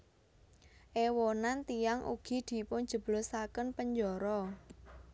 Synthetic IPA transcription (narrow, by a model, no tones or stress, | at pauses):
ʔewɔnant̪ijaŋʔṵɡ̥i̤d̪̥i̤pʊn̥d͡ʒ̥ə̤b̥lɔsakənpəɲd͡ʒɔɾɔ